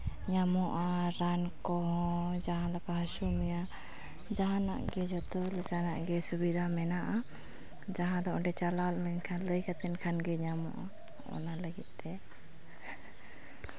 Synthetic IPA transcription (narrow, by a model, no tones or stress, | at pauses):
ɲamɔʔaɾankɔɦɔ̃d͡ʒaɦãlakaɦaʃumɛja | d͡ʒaɦãna̰ʔɡɛd͡ʒɔt̪ɔlɛkanaʔɡɛsubid̪ʱamɛnaʔa | d͡ʒaɦãd̪ɔʔɔɖɛt͡ʃalalləɲkʰanləjkat̪ɛnkʰanɡɛɲamɔ̰ʔa̰ | ɔ̰naləɡit̪̚ˀt̪ɛ